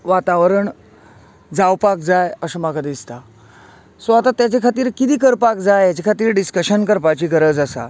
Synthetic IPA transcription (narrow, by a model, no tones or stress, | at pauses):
ʋat̪aʋɾəɳ | d͡zawpak̚d͡zajəsəmaɡad̪ist̪a | soat̪at̪jat͡ɕekʰat̪iːɾkit̪iːkəɾpak̚d͡zajjat͡ɕekʰat̪iːɾɖiskəɕənkəɾpat͡ɕiːɡəɾəd͡zəsa̰